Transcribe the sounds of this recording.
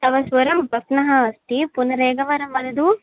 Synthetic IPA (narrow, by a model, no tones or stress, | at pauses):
t̪ɐʋɐsʋɐɾɐmbʱɐknɐɦɐɐst̪ipunɐɾeːɡɐʋɐɾɐmːɐd̪ɐd̪u